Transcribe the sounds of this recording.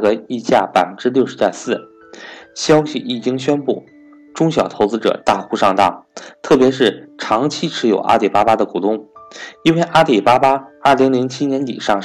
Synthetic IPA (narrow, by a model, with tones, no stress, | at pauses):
ɡə˧i˥˧t͡ɕja̰˥˩pa˨˩ɪfə˥nʈ͡ʂɻ̩˥ljo˥˩ʊʂɻ̩˧˥t͡ɕja̰˥˧sɹ̩˥˩ | ɕjɑ˥ʊɕḭ˨˩i˥˨˩t͡ɕi˥ŋɕɥɛ˥npu˥˩ | ʈ͡ʂʊ˥ŋɕ̬jɑ˨˩ʊt̪ʰo˧˥ʊt͡sɹ̩˥ʈ͡ʂɤ̰˨˩t̪a˥˩xu˥˧ʂɑ˥˧ŋt̪ɑ˥˩t̪ʰɤ˥˩pjɛ˧˥ʂɻ̩˥˩ʈ͡ʂʰɑ˧˥ŋt͡ɕʰi˥ʈ͡ʂʰɻ̩˧˥jo̰˨˩ʊʔa̰˥t̪i˨˩pa˥pa˥d̪ə˨ku˨˩t̪ʊ˥˩ŋi˥nwe˥˩ɪʔa˥t̪i˨˩pa˥pa˥ə˥˩li˧˥ŋli˧˥ŋt͡ɕʰi˥njɛ˧˥nt̪ḭ˨˩ʂɑ˥˧ŋ